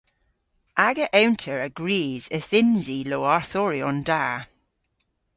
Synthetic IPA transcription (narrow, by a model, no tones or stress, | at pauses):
ʔaɡəʔɛwntʰəɹəɡ̥ɹiːz̥əθɪnziloːaɹθɔɹiɔnda